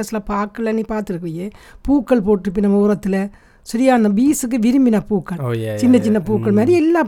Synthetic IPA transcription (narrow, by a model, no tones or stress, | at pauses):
ɐsɪlɐpaːkːɐɭːɐnipaːɾt̪ɯɾɯkːɐjeːpuːkːɐɭpoːʈːɪɾɯpːɪnɐmːɾɐt̪ːɪlɐ | sɐɾɪjaːɐnd̪ɐbiːsɯk̬ːɯʋɪɾɯmbɪnɐpuːkːɐɭt͡ʃɪnːɐt͡ʃɪnːɐpuːkːɐɭmaːɾiɛlːaː